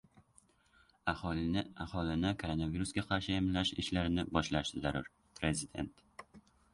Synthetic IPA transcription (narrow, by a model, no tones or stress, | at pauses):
ɒahɒlɪnɪkʰoɾo̞naviɾusɡʲaqʰɑɾʃɪemlːaʃɪʃlaɾɪnɪbɒʃlaʃt̪ɪzaɾʊɾ | pʰɾe̞zɪd̪e̞̰nt̪